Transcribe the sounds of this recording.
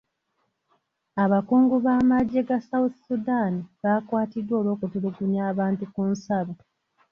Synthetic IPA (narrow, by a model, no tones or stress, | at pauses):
aβakuːŋɡuβaːmaɟːe̞ɡasaut̪sudaniβaːkwaːtidːwo̞ːlwo̞ːkutuluɡunjaːβaːntukunsaβo